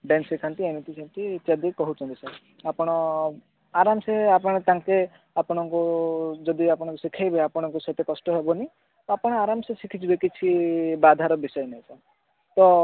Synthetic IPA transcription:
ɖensekʰant̪ienit̪it͡ʃʰant̪it͡ʃad̪ikɔɦut͡ʃʰɔnt̪isa | apɔɽ̃ɔ | aɾamɔseapɔɽ̃ɔt̪ãŋke | apɔɽ̃ɔŋkud͡ʒɔd̪iapɔɽ̃ɔ̃ŋkusikʰajbeapɔɽ̃ɔŋkusɔt̪ekɔsʈɔɦebɔni | apɔɽ̃ɔaɾamsesikʰit͡ʃʰibekit͡ʃʰibad̪ʱaɾɔbisɔenajsa | t̪ɔ

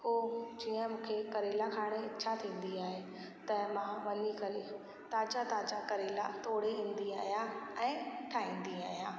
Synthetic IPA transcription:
ɦoːd͡ʑiːə̃mũːkʰekɐɾeːlakʰaːɽ̃et͡ɕʰat̪ʰĩːn̆d̪iaːɦe | t̪ɐmãʋɐɲikɐli | t̪aːt͡ɕat̪aːt͡ɕakɐɾeːla̰t̪ʰoːɽeĩːnd̪iaːɦijaɛ̃ːt̪ʰaːɦĩːn̆d̪iaːɦijaː

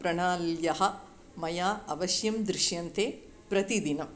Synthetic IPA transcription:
pɾɐɳaːljɐɦɐ̆ | mɐjaːɐʋɐʃjɐmd̪ɾɪʃjɐnt̪ʰeː | pɾɐt̪id̪inɐm

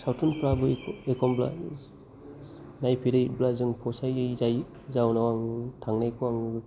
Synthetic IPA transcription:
sawtʰɯnpɾabɯekʰɔmbla̰ | najpʰiɾɯjblazɯŋpʰɔsajzaj | zawnawaŋtʰaŋnajkʰɔaŋ

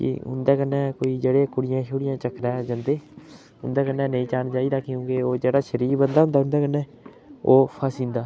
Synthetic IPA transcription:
kḭːɦʊ̰nd̪aːkənːɛːkoːiːd͡ʒeːɽeːkʊɽɪjãːʃʊɽɪjãːt͡ʃəkʰɾɛːd͡ʒənd̪eː | ʊ̰nd̪aːkənːɛːnəĩːt͡ʃaːnt͡ʃaːiːd̪aːkɪjũːɡeːoːd͡ʒeːɽaːʃəɾiːɾbənd̪aːɦʊ̃nd̪aːɦʊ̃nd̪aːkənːɛː | oːpʰəsĩːnd̪aː

